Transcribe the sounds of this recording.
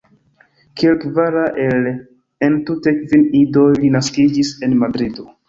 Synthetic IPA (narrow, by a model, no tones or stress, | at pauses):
kielkvaɾaʔel | entute̞kvinidojlinaskid͡ʒise̞nmadɾido